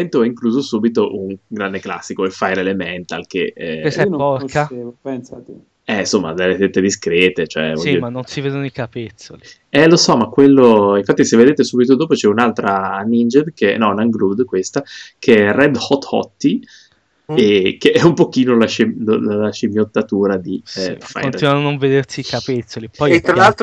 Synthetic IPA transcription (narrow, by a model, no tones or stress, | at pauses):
ɛnt̪oɛiŋkluːzosuːbit̪oʔuŋɡɾand̪ekla̰sːikoilfajɾelemɛnt̪alkeɛesnoɔkaepɛnsat̪e | ɛnsomːa̰d̪elːet̪et̪ːed̪iskɾɛːt̪et͡ʃoɛ̰vɔomanːonsiveːd̪onikapet̪soli | ɛlosɔmakːwelːoinɱfat̪ːisevːed̪eːt̪esuːbit̪od̪oːpot͡ʃɛunalt̪ɾanind͡ʒed̪kenːɔnaŋɡlud̪kwest̪akʰeɛrɛd̪hɔt̪ːɔ̰t̪ːi | ekeɛumpok̟iːnolaʃellalaʃimjot̪ːat̪uːɾad̪ifa̰joninanːoɱved̪ersiːkapet̪sːolipɔjet̪ːɾalalt̪